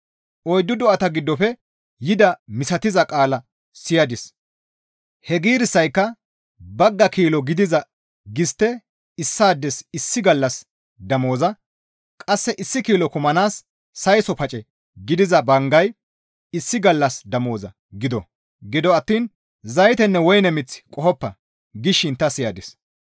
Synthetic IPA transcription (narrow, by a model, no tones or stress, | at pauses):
ʔɔjd̪ːʊd̪ɔʔɐt̪ɐɡɪd̪ːɔfɛ | jɪd̪ɐmɪsɐt̪ɪzɐkʼaːlɐ | sɪjɐd̪ɪs | hɛɡiːɾɪsːɐjkːɐ | bɐɡːɐkiːlɔɡɪd̪ɪzɐ | ɡɪst̪ːɛ | ɪsːaːd̪ːɛsɪsːɪɡɐlːɐs | d̪ɐmo̞ːzɐ | kʼɐsːɛʔɪsːɪkiːlɔkʊmɐnaːsː | ɐjsɔpɐt͡ʃʼɛ | ɡɪd̪ɪzɐbɐŋɡɐj | ɪsːɪɡɐlːɐsd̪ɐmo̞ːzɐ̰ | ɡɪd̪ɔ | ɡɪd̪ɔɐt̪ːiːn | zɐjt̪ɛnːɛwɔjnɛmɪt͡sːɪ̥kʼɔhɔpːɐ | ɡɪʃːɪnt̪ːɐsɪjɐd̪ɪs